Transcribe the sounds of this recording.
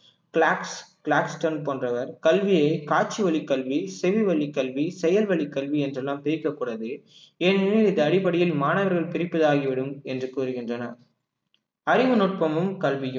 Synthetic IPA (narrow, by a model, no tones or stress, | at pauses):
kɭaːkskɭaːksʈɐnpoːndrɐʋɐɾkɐlʋɪjɐɪkaːt͡ʃːɯʋɐɭɪkːɐlʋisɛʋiʋɐɭːɪkːɐlʋisɛjɐlʋɐɭɪkːɐlʋiɛndrɛlːaːmpɛɾɪkːɐkːuːɽɐðɯeːnɪnɪlɪnðɐːɽɪpɐɽɪjɪlmaːnɐʋɐɾɣɐɭpɪɾɪpːɐðaːɣiʋɪɽɯmɛndrɯkuːɾɯɣɪndrɐnɐ̰ | ɐɾɪʋɯnɔːʈ̚pɐmɯmkɐlʋɪjɯ